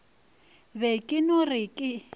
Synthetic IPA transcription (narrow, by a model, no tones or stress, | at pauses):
βɛkʼɪnɔrɪkʼɪ